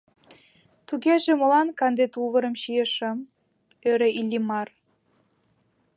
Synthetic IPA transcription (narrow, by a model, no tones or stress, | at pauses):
t̪uɣeʒĕmolɑnkɑnd̪et̪uβə̆ɾə̆mɕijeʃə̆m | øɾĕʔilʲːimɑr